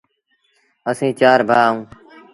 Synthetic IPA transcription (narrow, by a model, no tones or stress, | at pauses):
əsĩːt͡ʃaːɾbʱaːũː